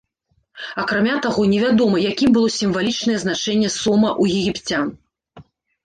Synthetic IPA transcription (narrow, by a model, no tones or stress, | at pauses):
ɐkɾamʲat̪aɣɔnʲɛvʲad̪ɔmɐjakʲimbɨlˠɔsʲimvalʲit͡ʂnɐjɛznat͡ʂɛnʲːɛsɔmɐʔujɛɣʲipt͡sʲan